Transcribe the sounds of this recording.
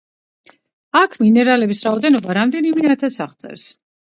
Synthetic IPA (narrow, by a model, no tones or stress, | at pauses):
akʰminɛɾalɛbisɾaɔd̪ɛnɔbaɾamd̪ɛnimɛat̪ʰasaχt̪sʼɛ̰ɾs